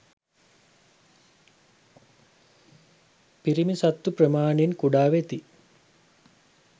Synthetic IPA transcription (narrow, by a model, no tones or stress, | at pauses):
piɾimisat̪ːuprəmaːneinkuɖaːʋet̪i